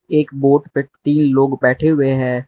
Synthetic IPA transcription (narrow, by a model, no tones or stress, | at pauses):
eːkboːʈpet̪iːnloːɡbɛːʈʰeɦʊeɦɛ̃ː